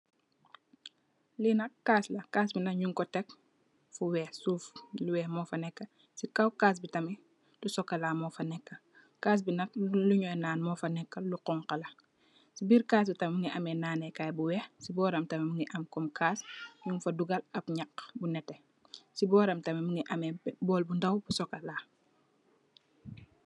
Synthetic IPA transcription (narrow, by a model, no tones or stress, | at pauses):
linɐkkːaːslɐkaːsbinɐkɲuŋkɔtɛk | fuwɛsufluwɛːhmɔːfɐnɛkːɐ | sikɐwkaːs̬bitɐmi | dusɔkːɐlamɔfɐnɛkːɐ | kaːs̬binɐk̚luɲɔjnaːnmɔfɐnɛkːɐluqɔŋqɐlɐ | sibiːɾkaːs̬bitɐmmuŋɡiʔɐmɛnaːnɛkaːjbuwɛxsibɔːɾɐmtɐmimuŋɡiʔɐmkɔmkaːsɲuŋfɐduɡɐlɐpɲakbunɛtːɛ | sibɔːɾɐmtɐmimuŋɡiʔɐmɛbɔːlbundɐwbusɔkːɐlaː